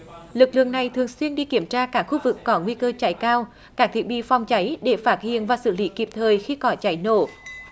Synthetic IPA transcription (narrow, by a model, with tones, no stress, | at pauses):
lɨ˨˩k̚lɨ̰˧˨əŋna˨˩jt̪ʰɨ˨˩əŋswi˧ənɗi˧ki˧˩əmt͡ɕaː˧kaː˦˥k̚xu˧vɨ˨˩kːɔ˨˦ŋwi˧kəː˧t͡ɕa˧˩jkaː˧w | kaː˦˥k̚t̪ʰi˨˩ə˩ɓḭ˧˨fa˨˧wŋ͡mt͡ɕa˨˦jɗe˧˩faː˦˥t̚hḭ˧˨ənvaː˨˩sɨ̰˧˩lḭ˧˦ki˨˩p̚t̪ʰəː˨˩jxi˧kɔ˨˦t͡ɕa˨˦jno̰˧˨